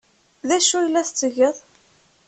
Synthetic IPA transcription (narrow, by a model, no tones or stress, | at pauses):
ðæʃujəlːæθt͡sːəʝəðˤ